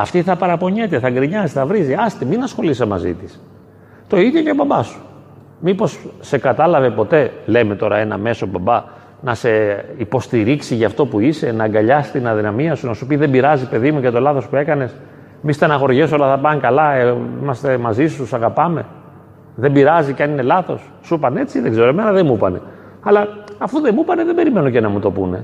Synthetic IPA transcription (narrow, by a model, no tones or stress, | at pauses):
ɐft̪iθɐpɐɾɐpo̞ɲe̞t̪e̞θɐɡɾiɲɐziθɐvɾiziɐst̪iminɐsxo̞lisemɐzḭt̪is | t̪o̞iðjo̞cebɐbɐsu̥ | mipo̞sːe̞kɐt̪ɐlɐve̞po̞t̪e̞le̞me̞t̪o̞ɾɐ̰e̞nɐ̰me̞so̞bɐbɐ | nɐse̞ipo̞st̪iɾiksiʝɐːft̪o̞puise̞nɐŋɡɐʎɐst̪inɐðinɐmiɐsunɐsuopiðe̞biɾɐzipe̞ðimuʝɐt̪o̞lɐθo̞spue̞kɐne̞s | mist̪enɐɣo̞ɾʝesolɐθɐpɐŋkɐlɐeimɐst̪e̞mɐzisusɐɣɐpɐme̞ | ðembiɾɐzicɐnine̞lɐθo̞sːupɐne̞t͡siðeɡze̞ɾoemenɐðemupɐne̞̰ | ɐlɐɐfuðe̞mupɐne̞ðebe̞ɾime̞noce̞nɐmut̪o̞pune̞̰